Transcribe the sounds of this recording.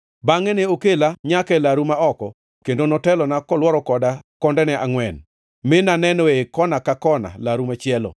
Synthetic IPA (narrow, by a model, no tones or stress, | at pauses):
baŋɛneokelaɲakɛlaɾumaɔkɔ | kendonɔtɛlɔnakɔlwɔɾɔkɔdakɔndɛnɛʔaŋwɛn | mɪnanɛnɔekɔnakakɔna̰laɾumat͡ʃɪɛlɔ̰